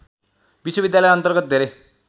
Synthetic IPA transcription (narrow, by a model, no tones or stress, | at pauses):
biswʌbid̪jalʌjʌnt̪ʌrɡʌt̪̚d̪ʱeɾe